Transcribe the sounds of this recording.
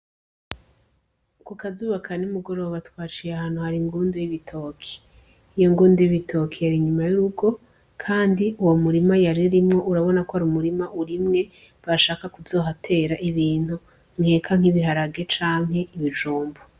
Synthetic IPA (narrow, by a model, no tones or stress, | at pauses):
kukazuːβakʰanumuɡo̞ɾo̞ːβatwaːt͡ʃijahaːnhuhaɾiŋɡuːndujiβitʰo̞kʰi̥ | ijo̞ŋɡuːndujiβitʰo̞kʰijaɾiɲumajuɾuɡo̞ | kʰaːndiʔuwomuɾimajaɾiɾimŋo̞ʔuɾaβo̞nakohaɾiumuɾimaʔuɾimŋe̞ | βaɾaʃaːkakuzo̞ːɦatʰe̞ːɾaʔiβiːn̥hu | ŋhe̞kʰaŋ̥iβiɦaɾaɡe̞t͡ʃaːŋɦe̞iβiʒuːmbo